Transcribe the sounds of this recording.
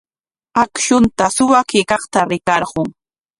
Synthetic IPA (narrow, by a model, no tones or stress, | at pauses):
akʃʊnt̪asʊwakɪkɑχt̪aɾɪkɑɾɢʊŋ